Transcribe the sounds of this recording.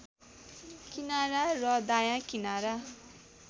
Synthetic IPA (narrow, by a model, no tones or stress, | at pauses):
kinaɾarʌd̪ajãkinaɾa